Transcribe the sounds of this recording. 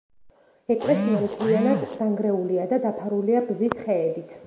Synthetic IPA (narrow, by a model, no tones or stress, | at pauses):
ɛkʼlɛsiɛlkʼʰwianad̪d̪aŋɡɾɛuliad̪ad̪apʰaɾuliabzisχɛːd̪it̪ʰ